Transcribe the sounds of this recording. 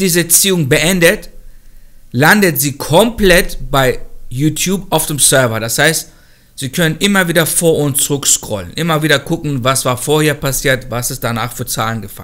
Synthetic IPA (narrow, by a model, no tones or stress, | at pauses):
d̥iːzəɐt͡siːʊŋbəʔɛndət | landətz̥iːkʰɔmplɛtb̥aɪjuːtʰjuːpaʊfd̥eːmsœɐvɐdashaɪst | z̥iːkʰœnənʔɪmɐviːdɐfoːɐʔʊntt͡suʁʏkʃkʁ̥ɔ̰lənʔɪmɐviːdɐkʰʊkŋ̩vasv̥aːɐfoːɐheːɐpasiːɐtvasɪst̚d̥anaːχfyːɐt͡sa̰ːlənɡəfa̰ln